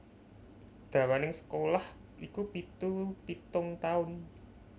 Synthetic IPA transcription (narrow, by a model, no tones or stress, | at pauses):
d̪̥ä̤wanɪŋsə̥kolah | ʔikupit̪upit̪ʊŋt̪aʊn